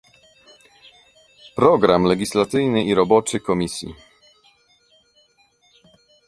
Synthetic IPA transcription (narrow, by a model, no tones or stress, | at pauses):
pɾɔɡɾamlɛɡʲislat̪sɘjnɘʔiɾɔbɔt͡ʂɘkɔmʲisʲjḭ